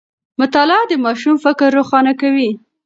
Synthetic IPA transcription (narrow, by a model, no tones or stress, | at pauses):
mʊt̪ɑlɑd̪əmɑʃumfɪkɾːoxɑnakawi